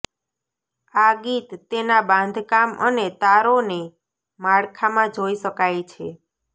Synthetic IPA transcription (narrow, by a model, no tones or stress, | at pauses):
aɡit̪ːenabãnd̪ʱkamə̰net̪aɾone | maɽkʰamãd͡ʒoiʃəkajt͡ʃʰe